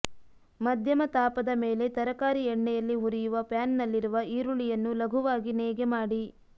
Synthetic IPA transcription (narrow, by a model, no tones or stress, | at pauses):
mɐd̪ʱjɐmɐt̪aːpɐd̪ɐme̞ːle̞t̪ɐɾɐkaːɾiɛɳːɛjɐlːiɦuɾijuʋɐpjaːnnɐlːiɾuʋɐiːɾuɭijɐnːulɐɡʱuʋaːɡineːɡemaːɽi